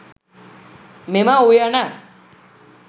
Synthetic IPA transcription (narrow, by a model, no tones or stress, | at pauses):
memaujana